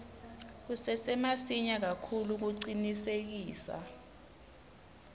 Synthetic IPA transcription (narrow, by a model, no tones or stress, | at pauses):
k̬usɛsɛmasiɲak̬akʰuluk̬uǀinisek̬iːsa̰